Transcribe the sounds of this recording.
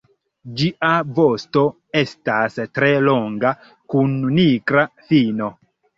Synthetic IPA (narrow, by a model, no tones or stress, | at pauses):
d͡ʒiʔavosto̞ | e̞stastɾe̞lo̞ŋɡa | kunːikɾafino̞